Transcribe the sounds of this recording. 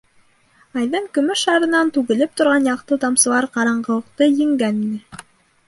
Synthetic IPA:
ɑjðɤɴkɵ̆mɵʃɑɾɤ̆nɑnt̪ʉɣɘ̆lɘp̚t̪ŏɾʁɑnjɑqt̪ɤt̪ɑmsɤ̆lˠɑɾqɑɾɑɴɢɤ̆wɤ̆qt̪ɤjɘ̆ŋɡæninɘ

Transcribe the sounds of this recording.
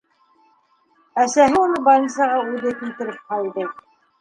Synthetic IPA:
æsæɦɘunˠɤbɑjɤnsɑʁɑʉðɘkilt̪ɘ̆ɾɘp̚qɑlˠd̪ɤ

